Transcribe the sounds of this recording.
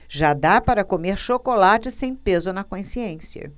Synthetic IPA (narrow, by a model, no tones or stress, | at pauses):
ʒad̪apaɾɐkomeɾʃokolat͡ʃɪsẽj̃pezʊnɐkõsiẽsiɐ̰